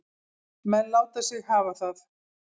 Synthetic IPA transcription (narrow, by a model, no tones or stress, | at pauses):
mɛnlaːwt̪asjɪɣhaːvaθaθ